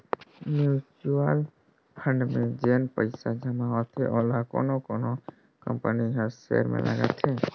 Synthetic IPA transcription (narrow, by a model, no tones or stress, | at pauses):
mjut͡ʃuəl | pʰə̃ɳɖmẽd͡ʒeːnpəɪsad͡ʒəmaɦot̪ʰeʔoːlako̰ːnokoːno | kə̰̃mpəniɦəɾsḛɾmḛ̃lʔə̰ɡə̰t̪ʰe